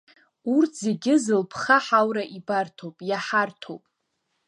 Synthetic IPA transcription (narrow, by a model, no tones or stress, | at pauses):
urtʰz̥e̞ɡʲɪzɨlpʰχaħawɾaʔibartʰowpʼjaħartʰo̰wpʼ